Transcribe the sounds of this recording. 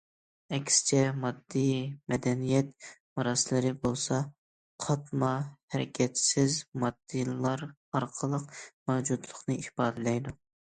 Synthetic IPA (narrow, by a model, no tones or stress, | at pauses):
ɛkʲsɪ̥t͡ʃʰɛmɑd̪ːimɛd̪ɛnijɛt̪̚mɑɾɑslˠɨɾɪbolˠsɑ | qʰɑt̪mɑhæɾɪkʲʰɛt̪sɪzmɑd̪̥ːilˠɑɾ | ɑɾqʰəlˠəq̚mɛwd͡ʒud̪lˠəχnɨiʃbɑːd̪ɨlɛjd̪u